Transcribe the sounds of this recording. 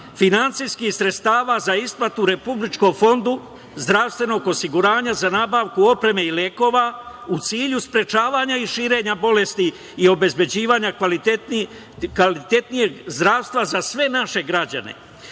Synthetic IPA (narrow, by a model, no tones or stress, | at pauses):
finant̪sijskisɾet̪st̪aːʋazaisplat̪uɾe̞publit͡ʃko̞mfo̞nd̪u | zd̪ɾaʋst̪ʋe̞no̞ɡo̞siɡuɾaːɲazanaːbaːʋkuo̞pɾe̞me̞ileko̞ːʋa | ut̪siːʎuspɾe̞t͡ʃaːʋaːɲaiʃiːɾe̞ːɲabo̞le̞st̪i | io̞be̞zbe̞d͡ʑiːʋaːɲakli | klit̪e̞t̪nije̞ɡzd̪ɾaːʋst̪vʋazasʋe̞naʃe̞ɡɾad͡ʑa̰ne̞̰